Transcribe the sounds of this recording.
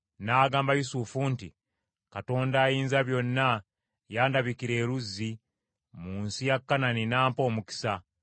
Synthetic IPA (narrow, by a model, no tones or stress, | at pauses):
naːɡaːmbajusufunti | kato̞ːndaːjiːnzaβjo̞nːa | jaːndaβikiɾe̞ːɾuzːi | muːnsijakːananinaːmpo̞ːmuki̥sa